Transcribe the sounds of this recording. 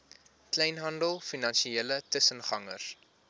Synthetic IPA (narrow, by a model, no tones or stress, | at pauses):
klɛjnɦɐndəlˠfinɐnʃieːlətəsənχɐŋər